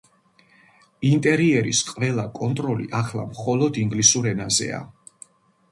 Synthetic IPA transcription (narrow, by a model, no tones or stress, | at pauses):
int̪ʼɛɾiɛɾḭsqʼvɛlˠakʼɔnt̪ʼɾɔlḭʔaχlˠa̰mχɔlˠɔd̪iŋɡlisuɾɛnazɛ̰a̰